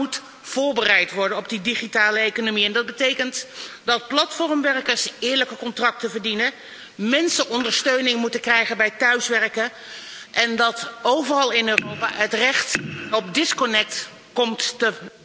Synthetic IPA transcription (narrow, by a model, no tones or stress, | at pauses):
ut | v̥ʊːɹbərɛjtʋɔɹdənɔb̚didiχitaːləejkonomiɛndɑd̚bətejkəntdɑt̚plɑtfɔrmʋɛrkəɹsɪːɹləkəkɔntrɑk̚təvəɹdinə | mɛnsəʔɔndəɹstøɥnɪŋmutəkrɛjχənbɛjtœɥsʋɛɹkə | ʔɛndɑtowvərɑlˠɪnøːrowpa̰ːɦətrɛχtɔpdɪskɔnɛk̚t | kɔmttə